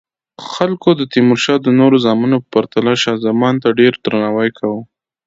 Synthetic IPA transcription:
xalkod̪ət̪imʊɾʃɑd̪ənoɾozɑmanopə̥paɾt̪alaʃɑzamɑnt̪aɖeɾd̪ɾanɑwajkʰawu

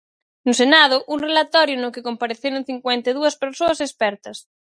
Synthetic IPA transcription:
nʊsenað̞ʊʔuŋrelat̪ɔɾjʊnʊkɪkompaɾeθeɾoŋ̟θiŋkwɛnt̪eðuɐspeɾsoɐsespɛɾt̪ɐs

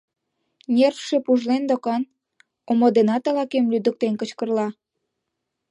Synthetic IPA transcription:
nʲerfʃepuʒlend̪okɑn | omod̪enɑt̪ɑlɑkemlyd̪ə̆k̚t̪enkət͡ɕkərlɑ

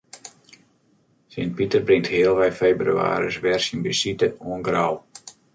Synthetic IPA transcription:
sɪnt̚pitərbrɪŋthɪːəlˠʋɛjfeːbry̰a̰ːɾəsʋɛrsinbisitəuənɡraw

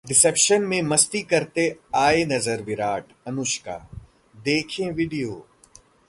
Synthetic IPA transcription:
ɖɪsepʃənmẽmɐst̪ikɐɾt̪eaːenɐzəɾʋɪɾaːʈ | ɐnʊʃka̰ː | d̪eːkʰẽʋiɖijoː

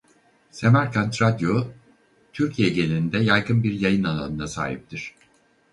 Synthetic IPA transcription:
se̞mæɾkʰant̪ɾad̪jo | t̪ʰyɾcʰijɛɟe̞nʲiind̪ɛjajɡɯnbiɾjajɯnalˠa̰nɯnasa̰ːɦḭp̚t̪ʰiɾ̝̥

